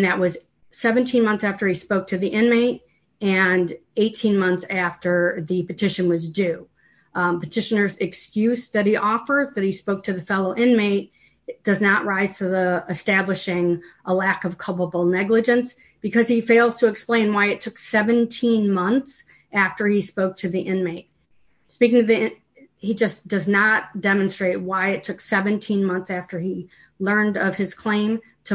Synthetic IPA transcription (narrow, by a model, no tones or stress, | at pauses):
nðɨʔ̚wʌz | sɛvɨ̃ntʰĩnmʌ̃nθsæftə˞ispoʊk̚tʰɨðiʔɪ̃nmeɪɾ | ɨ̃neɪtʰĩnmʌ̃nθsæftə˞ðipɨtʰɪʃɨ̃nwʌzdʉ | pɨtʰɪʃɨnə˞zɨkskjʉsðɨt̚hiʔɔfə˞zðɨt̚hispoʊk̚tʰɨðɨfɛlˠoʊʔɪ̃nmeɪt̚ | d̥ʌznəʔ̚ɹaɪz̥tʰɨiɨstæblɨʃɪ̃ŋʔəlækʌv̥kʰʌlˠpəbl̩ˠnɛɡlɨd͡ʒɨ̃ns | b̥ɨkʰʌz̥ifeɪlˠz̥tʰɨːksplẽɪ̃nwaɪɨtʰʊksɛvɨ̃ntʰĩnmʌ̃nθs | æftə˞ispoʊk̚tʰɨðiʔɪ̃nmeɪt̚ | spikɪ̃ŋtɨði | hid͡ʒʌsd̥ʌznət̚d̥ɛmɨ̃nstɹ̥eɪt̚waɪɨtʰʊksɛvɨ̃ntʰĩnmʌ̃nθsæftə˞i | lɜ̃˞ndʌv̥ɨz̥kʰl̥ẽɪ̃m | tʰɨ